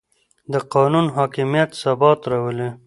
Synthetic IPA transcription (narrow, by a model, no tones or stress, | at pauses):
d̪əqɑnunɦɑkɪmijat̪sabɑt̪ɾawəle